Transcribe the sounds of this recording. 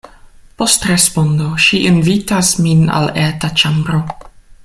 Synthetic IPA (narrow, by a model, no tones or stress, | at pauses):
po̞stɾespo̞ndoʃiʔinvitasmina̰letat͡ʃambɾo̞